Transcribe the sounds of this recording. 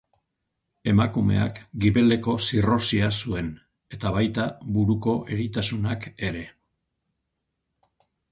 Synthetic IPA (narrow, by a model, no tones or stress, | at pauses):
e̞makume̞̰a̰kɡiβe̞le̞ko̞siro̞siasue̞n | e̞t̪aβajt̪aβuɾuko̞ʔe̞ɾit̪asunake̞ɾe̞